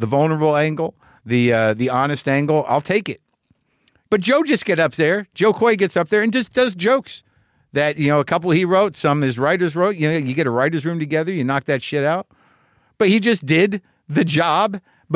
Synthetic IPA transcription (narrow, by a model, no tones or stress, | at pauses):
ðəvʌlˠnə˞əbl̩ˠæ̃ŋɡl̩ˠ | ðiʌðiɑnɨstæ̃ŋɡl̩ˠa̰ɪlˠtʰeɪkɪt̚ | b̥ʌt̚d̥ʒ̥oʊd͡ʒʌsɡ̥ɛɾʌp̚ðə̥˞ʒ̥oʊkʰwɔɪɡɛtsʌp̚ðə˞ɨ̃nd͡ʒʌsd̥ʌzd͡ʒoʊks | ðɨt̚jɨnoʊəkʰʌpl̩ˠiɹoʊtsʌ̃mɨzɹaɪɾə˞zɹoʊt̚jɨjɨɡɛɾəɹaɪɾə˞zɹʉ̃mtʰɨɡɛðə˞jɨnɑk̚ðɨtʃɪɾaʊt̚ | b̥ʌt̚hid͡ʒʌsd̥ɪd̪̚ | ðɨd͡ʒɑb